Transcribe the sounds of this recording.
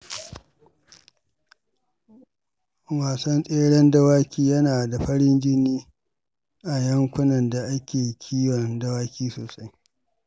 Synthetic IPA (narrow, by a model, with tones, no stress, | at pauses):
waː˨sɐ˦nsʼeː˦ɽɛ˦nda˦waː˦kʲiː˦jɐ˦naː˨da˨ɸɐ˦ɽɪ˦nd͡ʒɪ˦niː˦ | ʔa˨jɐ˦ŋkʷʊ˦nɐ˨nda˨ʔa˦kʲeː˨kʲʰiː˦wɔ˨ndɐ˦waː˦kʲiː˦soː˨sa˦j